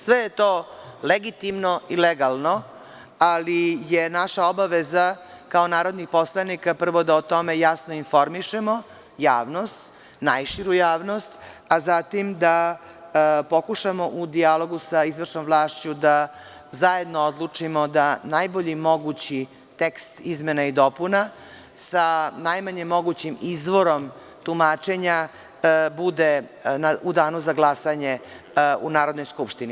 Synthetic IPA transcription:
sʋejet̪oːleɡit̪imnoʔileɡalˠno | alijenaʃaobaʋeza | kaonaːɾod̪nixpo̞slˠanikapr̩ʋod̪aot̪o̞mejasnoinfo̞ɾmiʃemo | jaːʋnost̪ | najʃiɾujaːʋnost̪azat̪imd̪a | po̞kuʂamoʔud̪ialˠo̞ɡusaizʋr̩ʃnomvlˠaːʃt͡ɕud̪a | zaje̞d̪nood̪lˠut͡ʂimod̪anajboʎimo̞ɡut͡ɕi | t̪ekst̪izmenaid̪o̞puna | sanajmaɲemːo̞ɡut͡ɕimizʋoɾom | t̪umaːt͡ʃe̞ɲa | bud̪enaud̪aːnuzaɡlˠasaɲe | unaːɾo̞d̪nojskupʃt̪ini

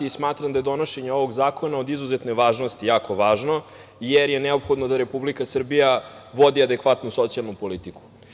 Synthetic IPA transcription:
iismaːt̪ɾamd̪aje̞d̪o̞noʃe̞ɲeo̞ʋoɡzaːko̞naod̪izuzet̪neʋaːʒno̞st̪ijaːko̞ʋaːʒno̞ | jeɾjenɛopxo̞d̪nod̪aɾe̞publikasr̩bijaʋod̪iad̪e̞kʋat̪nuso̞t̪sialnupo̞lit̪iku̥

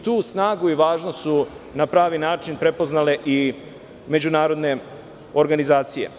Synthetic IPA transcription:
t̪uːsnaːɡuiʋaːʒnosu | napɾaːʋinaːt͡ʃinpɾe̞poznale̞ʔi | me̞d͡ʑunaːɾo̞d̪ne̞ | o̞ɾɡanizaːt̪sijḛ

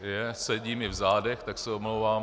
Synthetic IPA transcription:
jɛsɛɟiːmɪvzaːdɛxt̪aksɛomlowvaːm

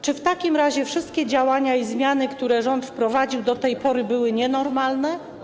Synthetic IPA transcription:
t͡ʂɘft̪akʲimɾaʑɛfʂɘst̪̚kʲɛd͡ʑawaɲaizmʲjanɘkt̪uɾɛʐɔnt̪fpɾɔvad͡ʑiwd̪ɔt̪ɛjpɔɾɘbɘwɘɲɛnɔɾmalnɛ

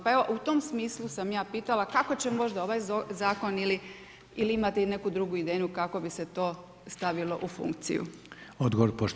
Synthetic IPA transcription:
pae̞ʋo̞ʔut̪o̞msmiːslˠusamjaːpiːt̪alakako̞t͡ɕemo̞ʒd̪ao̞ʋaːjzaːko̞nili | iliimat̪eine̞kud̪ɾuɡuid̪eːɲukako̞bise̞t̪o̞ː | st̪aʋilˠo̞ʔufṵŋkt̪sḭjṵod̪ɡoʋoɾpoʃt

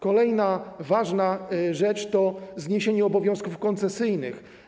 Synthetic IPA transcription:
kɔlɛjnavaʐnaʐɛt͡ʂt̪ɔzɲeɕeɲɛɔbɔvʲjɔ̃w̃skufkɔnt̪sɛsɘjnɘx

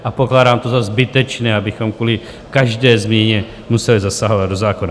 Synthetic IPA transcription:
ʔapo̞klaːdaːmt̪o̞zazbɪt̪ɛt͡ʃnɛːabɪxo̞mkvuːlɪ | kaʒdɛːzmɲɛɲɛ | musɛlizasaɦo̞vad̪̚do̞zaːkona

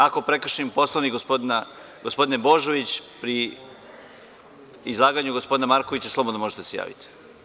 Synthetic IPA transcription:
ako̞pɾe̞kr̩ʃnimpo̞slˠoʋnikɡopona | ɡospo̞d̪inebo̞ʒo̞ʋit͡ɕpɾi | izlˠaːɡaɲuɡospo̞d̪inamaɾkoʋit͡ɕaslˠobo̞d̪nomo̞ʒet̪eseja̰ːʋḭt̪i̥

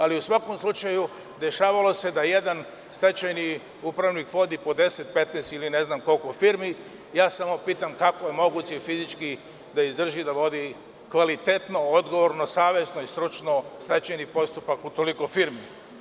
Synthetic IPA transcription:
aliusʋako̞mslˠut͡ʃaju | d̪e̞ʃaːʋalˠo̞se̞d̪aje̞d̪an | st̪et͡ɕajni | upɾaʋnikʋo̞d̪ipo̞d̪e̞set̪̚pet̪nɛːst̪iline̞znamko̞lkofiɾmi | jaːsamo̞piːt̪amkakojemo̞ɡuːt͡ɕeifizit͡ʃki | d̪aizd̪r̩ʒid̪aʋo̞d̪i | kʋalit̪et̪no̞od̪ɡo̞ʋoɾnosaːʋe̞snoist̪ɾut͡ʃno̞st̪et͡ɕajnipo̞st̪upakut̪oliko̞fiɾmi

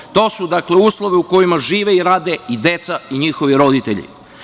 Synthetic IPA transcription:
t̪o̞ːsud̪akleuːslˠoʋeuko̞jimaʒiːʋeiɾaːd̪eid̪e̞t̪saiɲixoʋiɾo̞d̪it̪eʎḭ

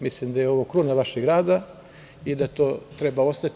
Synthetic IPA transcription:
mislimd̪ajeo̞ʋokɾunaʋaʃeɡɡɾaːd̪a | id̪at̪oːt̪ɾe̞bao̞st̪at̪

